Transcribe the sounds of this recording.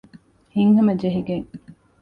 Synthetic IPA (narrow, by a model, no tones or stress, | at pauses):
hiŋhɐmɐd͡ʒeɦiɡeŋ